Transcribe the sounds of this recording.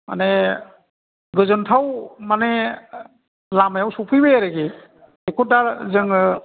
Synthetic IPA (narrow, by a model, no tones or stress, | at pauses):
ma̰ne | ɡɯzɔntʰawmane | lamajawsupʰɯjbɯjaɾeɡi | ekʰodaɾzɯŋ